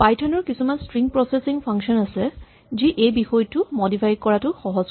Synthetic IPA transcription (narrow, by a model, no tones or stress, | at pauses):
pajtʰɔnɔɹkisumanstɹiŋpɹɔsesiŋpʰaŋksɔnasɛ | ziʔejbixɔjtʊmɔdipʰajkɔɹatʊxɔɦɔz